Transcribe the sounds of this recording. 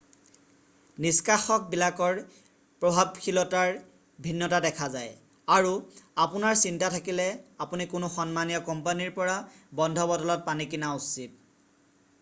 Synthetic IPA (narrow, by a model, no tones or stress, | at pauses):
niskaxɔk̚bilakɔɹ | pɹɔbʱab̚kʰilɔtaɹ | bʱinːɔtadɛkʰazaj | aɹuapunaɹsintatʰakilɛapunikʊnʊxɔnmanijɔkɔmpaniɹpɔɹa | bɔndʱɔbɔdɔlɔt̚panikinausit̚